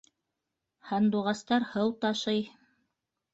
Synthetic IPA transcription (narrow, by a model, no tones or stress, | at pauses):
hɑnd̪uʁɑst̪ɑɾhɤwt̪ɑʃɤj